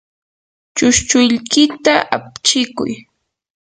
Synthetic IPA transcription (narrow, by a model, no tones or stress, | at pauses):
t͡ʃʊʃt͡ʃʊʎkɪt̪aʔap̚t͡ʃɪkʊ̰j